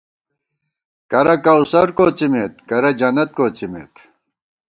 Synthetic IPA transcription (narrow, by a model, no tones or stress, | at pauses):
kɐɾɐkɐusɐɾkoːt͡simet̪̚kɐɾɐd͡ʑɐnɐt̪̚koːt͡ɕimḛt̪